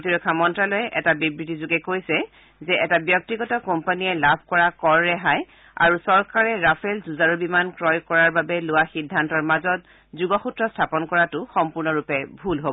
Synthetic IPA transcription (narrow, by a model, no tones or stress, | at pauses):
otiɹɔkʰːamɔntɹalɔjɛʔɛtabibɹitizʊɡɛkojsɛ | zɛʔɛtabjɔk̚tiɡɔtɔkompanijɛlabʱkɔɹakɔɹːɛɦaj | a̰ɹusɔɹkaɹɛɹapʰɛlzuzaɹubimankɹɔjkɔɹaɹbabɛlʊwaxidʱːantɔɹmazɔt̚ | zuɡɔxutɹɔstʰapɔnkɔɹatʊxɔmpuɹnɔɹupɛbʱulɦobɔ